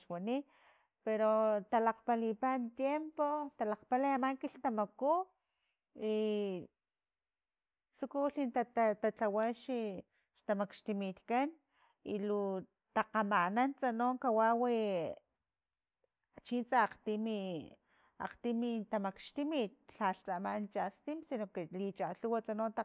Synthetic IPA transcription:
ʃwani | peɾot̪alaqpalipant̪jempot̪alaqpalajamaŋkiɬt̪amaku | i | t͡sukuɬint̪at̪at̪at͡ɬawaʃi | ʃt̪amakʃt̪imit̪kan | ilu | t̪aqamanant͡sanoːŋkawawi | t͡ʃint͡saːqt̪imi | a̰qt̪imit̪amakʃt̪imit̪̚ɬaɬt͡samant͡ʃast̪imsinokelit͡ʃaɬuwat͡sanont̪a

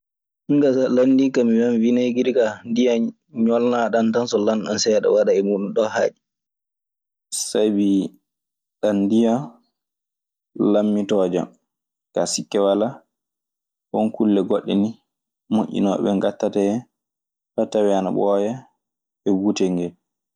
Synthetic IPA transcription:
ʔiŋɡasalandikamiwanvinajɡiɾikandija | ɲɔlnaɗantansɔlanɗansɛɗa̰waɗaɛmuɗunɗɔha̰ːd͡ʒi | sajbi | ɗandija | lamːitɔd͡ʒa̰m | kasikːɛwala | hɔnkulːɛɡoɗːɛni | mo̰ʔʲḭnɔ̰ɓɛŋɡatːataɛ | batːawiana̰ɓɔja | ɛwutɛŋɡɛl

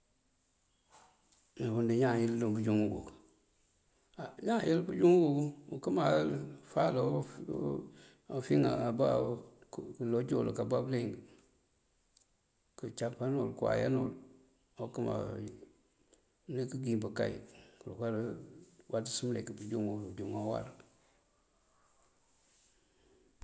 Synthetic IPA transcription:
newundiɲajilːubud͡ʒuŋuɡo̰ | aɲajilbud͡ʒuŋɡuukəmalfalof | ofiŋa̰aba | klod͡ʒolkabableŋɡ | kət͡ʃapanolkuwa̰ja̰no̰l | okəma̰ | nekəɡimbəka̰ḭkulokaɾwʔatisɨmlḛkəbud͡ʒuŋwud͡ʒuŋawa̰ɾ

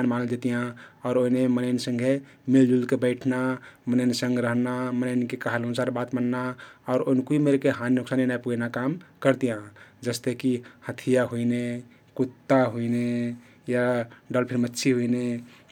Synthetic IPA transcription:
anmanəld͡ʒet̪ijãɔːɾoinemənəɪnsə̃ŋɡʱe | mild͡ʒulkebəɪʈʰnamənəɪnsə̃ŋɡɾəɦnamənənkekaɦəlɦənusaɾbat̪mənːaɔːɾoinkuimeɾkeɦanːuksaninajpuɡnakamkəɾt̪ijãd͡ʒəst̪ekihət̪ʰijaɦuine | kut̪ːaɦuine | jaɖəlpʰiɾmətːʃʰiɦuine

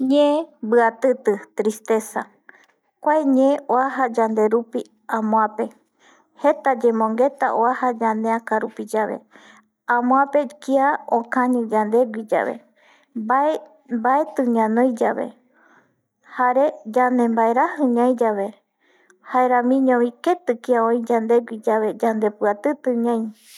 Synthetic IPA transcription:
ɲẽbɨat̪ɨt̪ɨt̪ɾist̪e̞sa | kʷaeɲeoaɦad͡ʒand̪e̞ɾupi | ãmõãpe̞ | he̞t̪ad͡ʒẽmõ̞ŋɡe̞t̪aʔoahad͡ʒaneãkaɾupid͡ʒaβe̞̰ | ãmõãpe̞kiaõkãɲɨ̃d͡ʒand̪e̞ɡid͡ʒa̰βe̞̰ | ae | baet̪ɨɲãnõjd͡ʒaβe̞̰ | haɾe̞d͡ʒanẽ̞mbaeɾahɨɲãj̃d͡ʒaβe̞ | haeɾãmĩɲõβike̞t̪ɨkiaõĩd͡ʒand̪e̞ɡʷid͡ʒaβe̞d͡ʒand̪e̞pɨat̪ɨt̪ɨ̃ɲãj̃

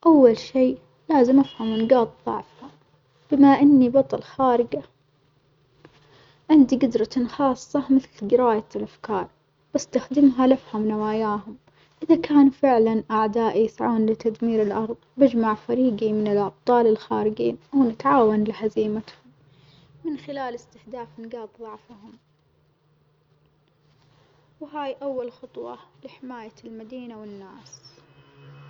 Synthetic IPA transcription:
ʔawːalʃiː | laːzɪmʔafhamɪnɡɑːt̪ˤðˤɑ̰ʕfha | b̥ɪmaʔɪnːibɑt̪ˤɑlxaːɾɪɡa | ʕɪnd̪iɡɪd̪ɾˤɑnxɑːsˤːɑmɪθlɡɪɾaːjalʔafkɑːɾˤ | b̥ɪst̪axd̪ɪmɦalafhamnawaːjaːɦʊm | ʔɪðakaːnfɪʕlanʔaʕd̪aːʔijɪsʕuːnlɪt̪ad̪miːɾɪlʔɑɾˤðˤbɪd͡ʒmaʕfaɾiːɡimɪnɪlʔɑb̚t̪ˤɑːlɪlxaːɾɪd͡ʒiːnʔawnɪt̪ʕaːwanlɪħaziːmat̪hʊmː | ɪnxɪlaːlɪst̪ɪhd̪aːfnɡɑːt̪ˤðˤɑʕfahʊm | wɦaːjʔawːalxʊt̪ˤwɑ̰lɪħɪmaːjalmad̪iːnawɪnːaːs

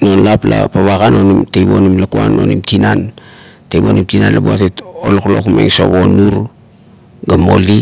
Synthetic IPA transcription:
nonlaplapaβakano̞nimtejbo̞nimlakua̰no̞nimtinan | tejbonimtinanlabuatetoloklo̞kmḛŋso̞βo̞nuɾ | ɡamo̞̰li

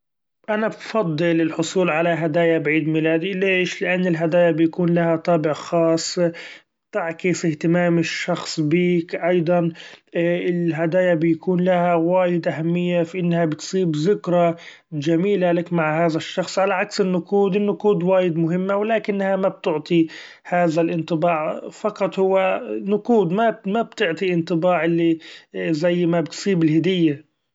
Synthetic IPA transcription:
ʔanabfɑd̪ˤːɨlɪlħʊsˤuːlʕalaɦad̪aːjabʕiːd̪milaːd̪ileːʃlɪʔanːɪlɦad̪aːjabɪjakuːnlahat̪ˤɑːbɪʕxɑːsˤbt̪aʕkɪsɪht̪ɪmaːmɪʃːɑxsˤbiːkʔɑjd̪ˤɑn | ɪlɦad̪aːjabɪjakuːnlahawaːjɪd̪ʔahamːɪjːafiʔɪnːhabɪt̪sˤiːbzɪkɾˤɑ | ʒamiːlalakmaʕhaːðaʃːɑxsˤʕalaʕaksɪnːʊquːd̪ɪnːʊquːd̪waːjɪd̪mʊɦɪmːawlaːkɪnːhamab̚t̪ʊʕt̪ˤi | haːðalʔɪnt̪ˤɨbɑːʕfɑqɑt̪ˤhʊwːanʊquːd̪mamab̚t̪ɪʕt̪ˤiʔɪnt̪ˤɨbɑːʕʔɪlːizajːmabɪt̪sˤiːbɪlhɪd̪ɪjːa

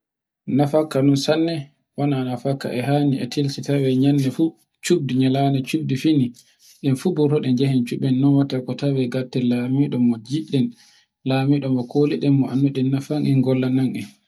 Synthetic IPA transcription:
nafakːanɔnsanːɛ | wɔnanafakːa̰ʔɛɦaniɛ̰tʰilsitawɛɲanːɛfu | t͡ʃub̚diɲalanɛt͡ʃub̚difini | ɗɛnfubutɔɗɛnd͡ʒɛhɛnt͡ʃuɓɛnːɔnwatakɔtawɛɡatːɛlamiɗɔmɔd͡ʒiɗɛn | lamiɗɔmɔkʰoliɗɛmːɔʔanːuɗɛnːafaŋʔinɡɔlːanaŋʔin

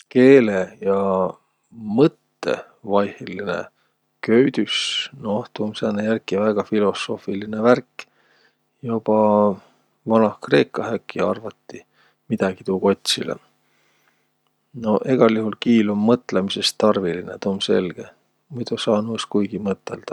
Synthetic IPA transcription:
ke̞ːlejɑ | mɤt̪ːe̞̰ | vɑjheline̞̰ | kø̞ɥd̪ysno̞t̪uːmseːnːejærkːˑivæɡ̥ɑfilo̞so̞ːfilineværkːˑ | job̥ɑ | vɑnɑhkre̞ːkːˑɑɦækːiɑrvɑt̪ːi | mid̪̥ɑɡ̥it̪uːko̞t̪ʲsilḛ | no̞ʔe̞ɡ̥ɑljuhulkiːlumːɤt̪ːˑlemise̞st̪ɑrvilinet̪uːmse̞̰lɡ̥e | mujt̪usɑːnuskujɡ̥imɤt̪ːˑe̞ld̪̥ɑ

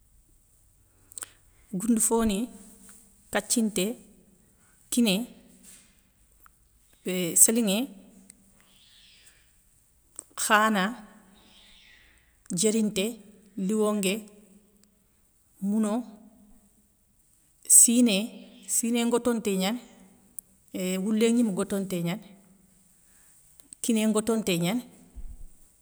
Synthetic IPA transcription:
ɡundufoːni | kat͡ʃːintɛ | kinɛ | bɛsaliŋɛ | xaːna | d͡ʒeɾintɛ | liwoŋɡe | muno | sinesineŋɡotonteɲan | wulːeŋimuɡotonteɲan | kineŋɡotonteɲan

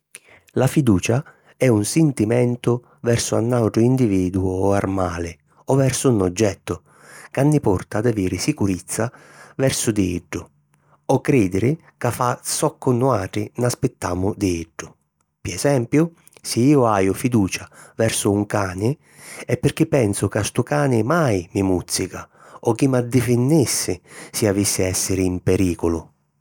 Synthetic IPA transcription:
lafid̪uːt͡ʃa | ɛunsɪnt̪imɛnt̪ʊ | vɛrsʊa̰nːawʈɾʊind̪iviːd̪uʊarmaːlɪ | ɔvɛrsʊnɔd͡ʒːɛt̪ːʊ | kanːipɔrt̪aːd̪aviːɾɪsikuɾit̪sːa | vɛrsʊd̪iiɖːʊ | ɔkːɾiːd̪ɪɾɪ | kafːasɔkːʊnːʊaːʈɾɪnaspɪt̪ːaːmʊd̪iɪɖːʊ | piɛsɛmpjʊ | sɪiːʊaːjʊfid̪uːt͡ʃavɛɾsʊːŋkaːnɪ | ɛpːɪɾk̟ipːɛnsʊkast̪ʊkaːnɪmajmimut̪sːika | ɔkːimad̪ːɪfɪnːisːɪsɪavisːɪɛsːɪɾɪimpɛɾiːkʊlʊ

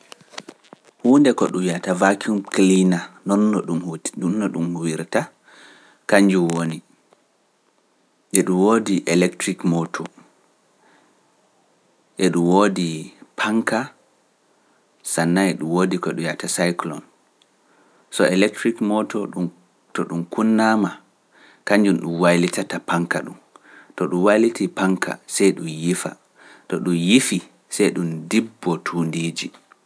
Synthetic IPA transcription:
huːndɛkɔɗumjatavakiumklinanɔnːɔɗumhunːɔɗumwiɾta | kaɲd͡ʒumwoni | ʔɛɗumwodiʔɛlɛktɾikmɔtʰɔ | ʔɛɗumwodipʰaŋka | sanːaɛɗumwoːdikɔɛɗujatasajklɔ̰n | sɔɛlɛk̚tɾikmɔtɔɗu | tɔɗumkunːama | kaɲd͡ʒunɗumwajlitatapaŋkaɗum | tɔɗumwalitipaŋkʰa̰sɛjɗumjifa̰ | tɔɗumjifi | sɛjɗumdibːɔtʰundiːd͡ʒi

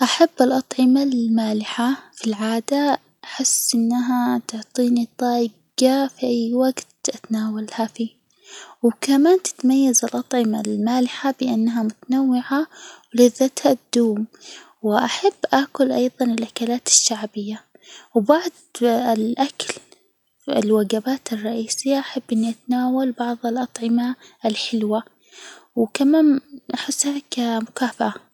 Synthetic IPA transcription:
ʔaħabːɪlʔɑt̪ˤʕɪmalmaːlɪħafilʕaːd̪a | ʔaħɪsːʔɪnːaɦat̪ʊʕt̪ˤiːnit̪ˤɑː | ɡafiʔajːwaɡt̪ʔat̪naːwalhafiː | wkamaːnt̪ɪ̥t̪majːazɪlʔɑt̪ˤʕɪmalmaːlɪħabɪʔanːɦamʊt̪anawːɪʕawlɪðːat̪had̪̥uːm | wʔaħabːʔaːkʊlʔɑjðˤɑnɪlʔakalaːt̪ɪ̥ʃːaʕbɪjːa | wbaʕd̪ˤlʔakl | ɪ̰lwaɡabaːt̪ɪrˤːɑʔiːsɪjːaʔaħabːʔɪnːiʔat̪anaːwalbɑʕðˤɪlʔɑt̪ˤʕɪmaɪlħɪlwa | wkamaːnʔaħɪsːhakamʊkaːfaʔa

